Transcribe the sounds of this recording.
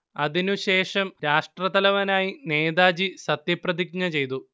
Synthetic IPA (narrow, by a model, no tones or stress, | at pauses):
ɐðinuɕe̞ːʂɐmɾaːʂʈrɐðɐlɐʋɐnaːjine̞ːðaːd͡ʑisɐt̪jɐprɐðik̚ɲɐt͡ɕe̞jt̪̬u